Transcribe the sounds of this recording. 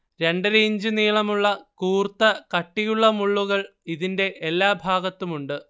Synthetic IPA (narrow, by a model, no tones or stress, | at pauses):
ɾe̞ɳɖɨɾeːɲd͡ʑɨniːɭɐmuɭːɐkuːrt̪ːɐkɐʈːijuɭːɐmuɭːuɣɐɭ | iðinde̞ʔelːaːbʱaːɡɐt̪ːumuɳɖɨ